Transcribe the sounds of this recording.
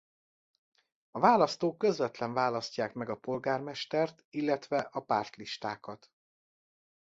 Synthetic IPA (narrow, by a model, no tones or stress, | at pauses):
ɒvaːlɒst̪oːkːø̞zvɛt̪lɛɱvaːlɒscaːkmɛɡɒpo̞lɡaːrmɛʃt̪ɛrt̪ilːɛt̪ʋɛʔɒpaːrt̪liʃt̪aːkɒt̪